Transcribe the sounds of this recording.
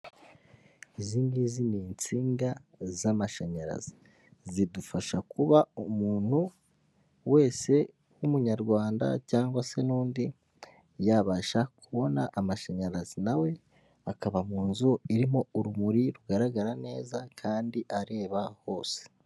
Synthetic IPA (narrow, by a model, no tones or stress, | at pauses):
iziːŋɡiziniːnt͡siːŋɡazamaʃaɲaɾa̰zi̥ | zidufaʃakuβaumuːn̥hu | we̞ːse̞ | wumuɲaɾɡwaːnda̰caːŋɡwase̞nuːndi | jaβaʃakuβo̞naʔamaʃaɲaɾazinawe̞ | akaβamuːnzoiɾimo̞uɾumuɾiɾuɡaɾaɡaɾane̞ːzakʰaːndiʔaɾe̞ːβaho̞ːse̥